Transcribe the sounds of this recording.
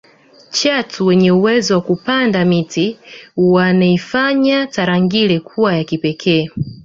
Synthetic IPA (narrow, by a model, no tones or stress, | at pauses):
t͡ʃatuwɛɲɛuwɛzɔwakupandamitiwanaifaɲataɾaŋɡilɛkʰuwajakipɛkʰɛː